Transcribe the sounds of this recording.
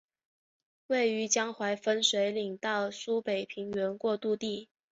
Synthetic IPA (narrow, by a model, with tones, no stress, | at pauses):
we˥˩ɪy˧˥t͡ɕjɑ˥ŋxwa˧˥ɪfə˥nʂwe˧˥ɪli˨˩ŋt̪ɑ˥˩ʊsu˥pe˨˩ɪpʰi˧˥ŋɥɛ˧˥nkwɔ˥˧t̪u˥˧t̪i˥˩